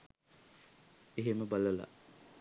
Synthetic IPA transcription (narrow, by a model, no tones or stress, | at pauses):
eɦeməbaləla̰